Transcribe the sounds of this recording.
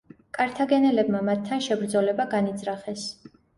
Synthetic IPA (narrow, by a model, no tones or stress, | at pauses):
kʼaɾt̪ʰaɡɛnɛlɛbmamat̪ʰːanʃɛbɾd̪zɔlɛbaɡanid̪zɾaχɛs